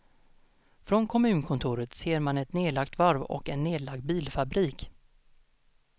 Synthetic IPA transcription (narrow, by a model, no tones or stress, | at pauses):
fɾɔnkʰɔmʉ̟ːnkʰɔnt̪ʰuːɾət̪seːɾmanɛt̪neːlakt̪vaɾvɔ̰kɛnːeːd̪laɡ̚d̪̚biːlfabɾiːk